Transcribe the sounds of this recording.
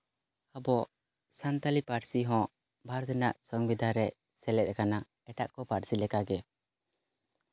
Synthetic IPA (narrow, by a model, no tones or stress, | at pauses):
habɔʔ | sant̪alipaɾsiɦɔ̃ | bʱaɾd̪ɛnaʔsɔŋbid̪ʱaɾɛ | sɛlɛt̪̚ˀkana | ɛʈaʔkɔpaɾsilɛkaɡɛ